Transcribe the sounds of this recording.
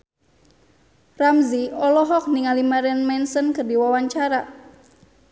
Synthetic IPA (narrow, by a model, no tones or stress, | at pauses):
ramziɔlɔɦɔk̚niŋalimaɾɛnmɛnsənkərdiwawaɲt͡ʃaɾa